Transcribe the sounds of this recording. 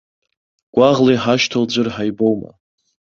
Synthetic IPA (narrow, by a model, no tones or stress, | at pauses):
ɡ̥ʷaʁlejħaʃtʰold͡ʒʷɨrħajbowma̰